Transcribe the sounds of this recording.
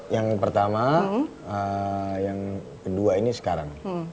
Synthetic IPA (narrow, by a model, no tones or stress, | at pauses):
jaŋpərt̪ama | əjaŋ | kəduainisə̥kaɾa̰ŋ